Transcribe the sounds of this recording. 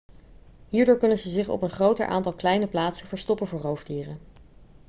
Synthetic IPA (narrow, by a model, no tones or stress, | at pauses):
ɦiːɹdʊːɹkɵnənzəzɪχɔ̰pənχrowtə̰ɹʔa̰ːntɑlˠklɛjnəplaːtsənv̥əɹstɔpənvʊːɹɦowvdiːrən